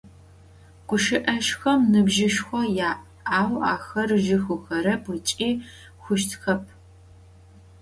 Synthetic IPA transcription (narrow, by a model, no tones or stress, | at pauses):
ɡ̥ʷʊʃɪʔɐʃxɐmnɨbʒɪʃxʷɔjaːʔ | aːwaːxɐrʒɪxʊxɐɾɐpɐt͡ʃʼiː | xʷʊʃ̬tʰxɐp̚ʰ